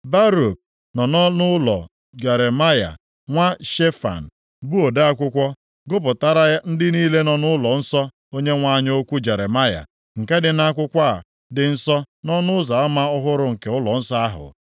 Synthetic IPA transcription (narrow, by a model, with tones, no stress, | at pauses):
ba˦ɾo˨k̚ | nɔ˨nɔ˦nʊ˦lɔ̰˨ | d͡ʒe˨ɾe˨ma˦ja̰˨ | ŋʷa˦ʃe˦fa̰˨n̩˨ | bu˦o˨da˦a˦kʷʊ˦kʷɔ˦ | ɡʊ˦p̬ʊ˨ta˦ɾa˦ja˦n̩˦dɪ˦niː˦le˦nɔ˨nʊ˦lɔ˨n̩˦sɔ˦ | o˦ɲe˦ŋʷa˦˨ɲ˦o˦kʷu˦d͡ʒe˨ɾe˨ma˦ja̰˨ | ŋ̩˨ke˦dɪ˨na˦kʷʊ˦kʷa˦a̰˨ | dɪ˨n̩˦sɔ˦ | nɔ˦nʊ˦za˨a˦ma˦ʊ˦ɦʊ˦ɾʊ˦ŋ̩˨ke˨ʊ˦lɔ˨n̩˦sɔ˦a˦ɦʊ̰˨